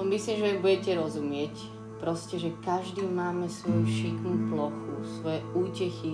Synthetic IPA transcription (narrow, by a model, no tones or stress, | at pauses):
misliːmʒɛjɔbuɟɛcɛɾɔzumɪɛc | pɾɔscɛʒɛkaʒd̪iːmaːmɛsʋɔjuʃikmuplɔxṵsʋɔjɛuːcɛxi